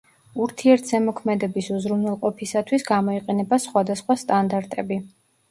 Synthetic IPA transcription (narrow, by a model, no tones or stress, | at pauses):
uɾt̪ʰiɛɾt̪ʰzɛmɔkʰmɛd̪ɛbisuzɾunwɛlˠqʼɔpʰisat̪ʰwisɡamɔiqʼɛnɛbasχwad̪asχwast̪ʼand̪aɾt̪ʼɛbi